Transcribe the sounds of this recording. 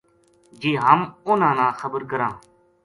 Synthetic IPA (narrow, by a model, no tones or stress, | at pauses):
d͡ʒiːɦəmʊnãːnãːxəbəɾkəɾãː